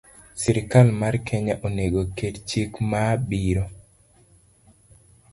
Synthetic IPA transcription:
siɾɪkalmarkʰɛɲɛʔoneɡokedt͡ʃikmabiɾo

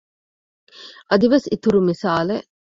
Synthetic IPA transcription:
ʔɐd̪iʋesit̪uɾumisaːleʔ

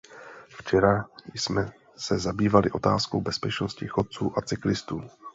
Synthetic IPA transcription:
ft͡ʃɛɾajsmɛ | sɛzabiːvalɪʔo̞t̪a̰ːskowbɛspɛt͡ʃno̞scɪxot̪̚t͡suːʔat͡sɪklɪst̪uː

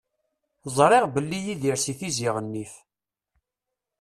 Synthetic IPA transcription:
zˤɾˤeʁbəlːijiðiɾsiθiziʁənːif

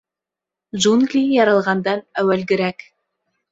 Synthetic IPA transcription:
ʒunɡlʲijɑɾɑlˠʁɑnd̪ɑnæwælɡʲɪɾæk

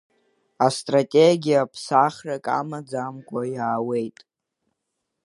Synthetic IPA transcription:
astʼratʲʼeɡʲijapʰsaχrakʼa̰mad͡zamkʷʰʼajaːwe̞jtʼ

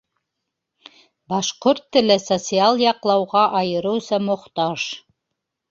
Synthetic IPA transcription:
bɑʃqoɾt̪ːɘ̆lɘsot̪sialˠjɑqlˠɑwʁɑʔɑjɤ̆ɾɤ̆wsɑmŏχt̪ɑʒ̥

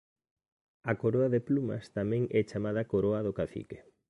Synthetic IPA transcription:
ɐkoɾoɐðeplumɐ̰st̪amɛ̃ŋɛt͡ʃamað̞ɐkoɾoɐðokaθḭke̥

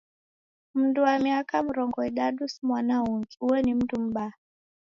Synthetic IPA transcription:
m̩nduwamiakam̩ɾɔŋɡɔiɗaɗusmwanauŋɡiuwɛnim̩tum̩ɓaa

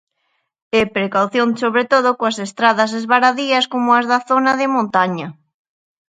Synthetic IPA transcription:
epɾekawθjoŋsoβɾet̪oð̞okoasest̪ɾaðɐs̬ezβaɾaðiɐskomoazðaθonaðɪmõnt̪aɲɐ

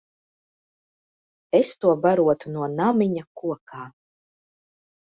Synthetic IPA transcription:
est̪uɔbaɾuɔt̪unuɔnamiɲakuɔkʰaː

